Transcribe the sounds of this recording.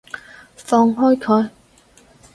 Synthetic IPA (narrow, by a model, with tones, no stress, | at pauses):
fɔː˧ŋɦɔː˥jkʰɵ˨˧j